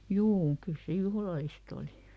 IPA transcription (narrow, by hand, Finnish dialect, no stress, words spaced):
juː kyl se juhlɑlist oli